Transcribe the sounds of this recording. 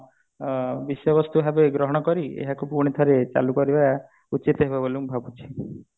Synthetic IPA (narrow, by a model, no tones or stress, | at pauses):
bisjɔbɔst̪uɦabeɡɾɔɦɔɽ̃ɔkɔɾiḛɦakupuɾɽ̃it̪ʰɔɾet͡ʃa̰lukɔɾiba | ut͡ʃit̪ɔɦebaboluŋbʱabut͡ʃʰi̥